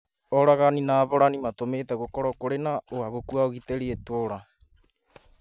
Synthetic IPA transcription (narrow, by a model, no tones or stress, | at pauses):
ɔɾaɣaninaːβoɾanimatometɛɣokɔɾɔkoɾenaoaɣokuaoɣiteɾietoɾa